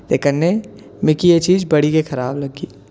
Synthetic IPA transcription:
t̪eːkənnːe | mɪkijet͡ʃiːd͡ʒbɐɽikexɐɾaːblɐɡiː

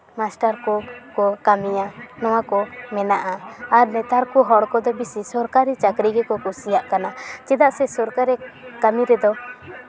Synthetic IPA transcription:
masʈaɾkɔkɔkamijanɔwakɔmɛnaʔaːɾnɛt̪aɾkuɦɔɽkɔd̪ɔbisisɔɾkaɾit͡ʃakɾiɡɛkɔkusijaʔkanat͡ʃɛd̪aʔsɛsɔɾkaɾɛkamiɾɛd̪ɔ

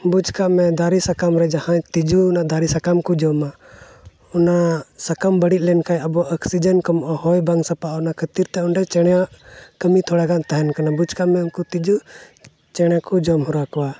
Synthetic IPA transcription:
bud͡ʒkaʔmɛd̪ʱaɾisakamɾɛd͡ʒahãt̪id͡ʒuːnaʔd̪ʱaɾisakamkud͡ʒɔma | ɔnasakambəɽit̪̚ˀlɛnkajəbɔʔəksid͡ʒənkɔmɔʔahɔjbaŋsapaʔɔnakʰət̪iɾt̪ɛɔɳɖɛt͡ʃɛɽaʔkəmit̪ʰɔɽaɡant̪aɦɛnkanabud͡ʒkaʔmɛɔnkut̪id͡ʒu | t͡ʃɛɽ̃akud͡ʒɔmɦɔɾakɔwa

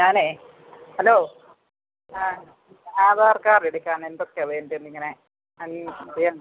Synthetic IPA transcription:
ɲaːneː | hɐloː | aːðaːrkaːreɽikʲːaːnend̪okːeʋeːndenːiŋːɐne | ɐnɾijaː

